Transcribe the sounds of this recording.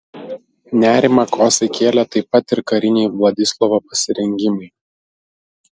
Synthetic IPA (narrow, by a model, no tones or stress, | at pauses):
nʲæːɾʲɪmɐkoːsʲɐkʲeːlʲɛt̪ɐɪpɐt̪ɪɾkɐɾʲɪnʲɛɪʋlˠɐd̪ʲɪslˠɔʋopɐsʲɪɾʲɛŋʲɡʲɪmɐɪ